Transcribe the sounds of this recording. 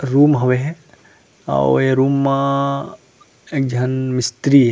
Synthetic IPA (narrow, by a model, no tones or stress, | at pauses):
ɾuːmɦɐʋeɦɛ | a̰eɾuːmːã | eːk̚d͡ʒʱɐnmɪst̪ɾiɦɛ